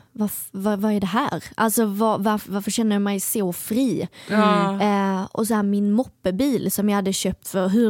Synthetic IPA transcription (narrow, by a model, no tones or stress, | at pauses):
vaɾfvavaɛɖɛɦæːɾʔalsɔvavaɾvaɾfəɾʂɕɛnːəjɑmɛjsofɾiː | ʔɔ̰s̬ɔɦæːɾmɪnmɔpːəbiːlsɔmjɑjhad̪ːəɕøːp̚t̪fœɾɦɵ